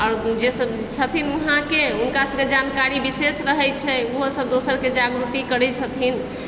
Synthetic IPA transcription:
aːɾd͡ʒesəb | t͡ʃʰət̪ʰinuɦãkeɦunkasəbked͡ʒankaɾibisesɾəɦɛt͡ʃʰɛoɦosəb̚d̪osəɾked͡ʒaɡɾut̪ikəɾɛt͡ʃʰət̪ʰin

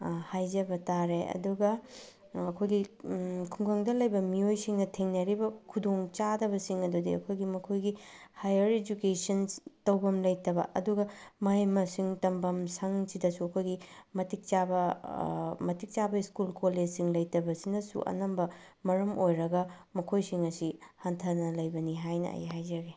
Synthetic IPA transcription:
hajzɐbɐtaɾeɐ̰duɡɐ | ɐkʰojɡikʰuŋɡʰɐŋdɐlɐjbɐmiojsiŋnɐtʰeŋnɐɾibɐkʰudoŋt͡ʃadɐbɐsiŋɐdudḭɐ̰kʰojɡimɐkʰojɡihajɐɾed͡ʒukesɐntɐwbɐmlɐjtɐbɐʔɐduɡɐmɐimɐsiŋtɐmbɐmsɐŋsidɐsuɐkʰojɡimɐtik̚t͡ʃabɐ | mɐtik̚t͡ʃabɐiskulkoled͡ʒsiŋlɐjtɐbɐsinɐsṵʔɐ̰nɐmbɐ | mɐɾɐmojɾɐɡɐmɐkʰojsiŋɐsihantʰɐnɐlɐjbɐniɦajnɐ̰ɐ̰jɦajd͡ʒɐɡe

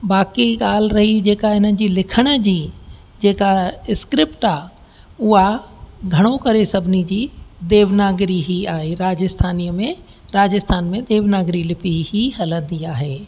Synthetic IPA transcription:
baːkiɠaːl̤ɾɐɦid͡ʑeːkaɦɪnəd͡ʑiːlɪkʰəɽ̃ə̆d͡ʑiː | d͡ʑeːkaɪskɾɪpʈaː | ʊɦaɡʱɐɽ̃okɐɾesɐbʱɪnid͡ʑiːd̪eːʋnaːɡɾiɦiaːɦeɾaːd͡ʑɪst̪ʰaːniːəmẽ | ɾaːd͡ʑɪst̪ʰaːnmẽd̪eːʋnaːɡɾilɪpihiɦɐlə̃nd̪iaːɦeː

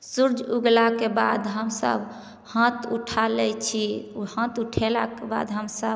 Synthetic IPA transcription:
suɾd͡ʒuɡlakeba̰d̪ɦəmsə̰b | hãt̪uʈʰalɛt͡ʃʰiuhãt̪uʈʰela̰keba̰d̪ɦəmsəb

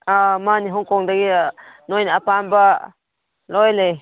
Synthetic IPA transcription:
amaniɦɔŋkɔŋd̪aɡinɔjnapamba | lɔjlej

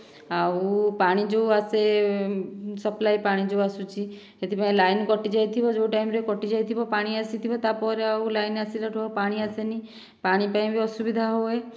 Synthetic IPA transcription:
aupaɽ̃id͡ʒoase | səplajpaɽ̃id͡ʒoasut͡ʃʰi | ɦet̪ipaĩlaːjnkɔʈid͡ʒajt̪ʰibɔd͡ʒoːʈajmɾekɔʈid͡ʒajt̪ʰibɔpaːɽ̃iasit̪ʰibɔt̪apɔɾeaulajnasiɾaʈʰɔpaːɽ̃iasenĩ | paɽ̃ipaĩbʱiɔsubid̪ʱaɦoe

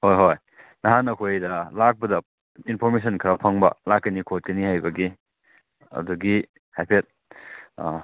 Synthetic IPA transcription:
hojɦoj | nɐɦanɐkʰojdɐlak̚bɐdɐ | inpʰoɾmes̬ʰɐnkʰɾɐpʰaŋbɐ̰lakːɐnikʰot̚kɐnihajbɐɡi | ɐ̰duɡi | hajpʰet̚

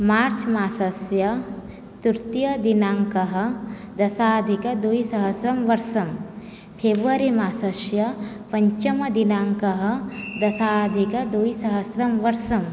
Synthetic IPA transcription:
maːɾt͡ʃmaːsɐsjɐ | t̪uɾt̪jɐd̪inaːŋkɐɦɐ̆ | d̪ɐsaːd̪ʱikɐd̪uisɐɦɐsɾɐmʋɐɾsɐm | pʰeːbɾuʋaɾimaːsɐsjɐ | pɐɲt͡ʃɐmɐd̪inaːŋkɐɦɐ̆d̪ɐsaːd̪ʱikɐd̪uisɐɦɐsɾɐmʋɐɾsɐm

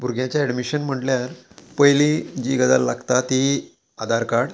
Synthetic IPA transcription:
bʱuɾɡjãt͡ɕjaɛɖmiɕənm̤əɳʈljaɾpəjlid͡ʑiɡəd̪a̰lːaɡt̪at̪i | ad̪ʱaɾkaɽ

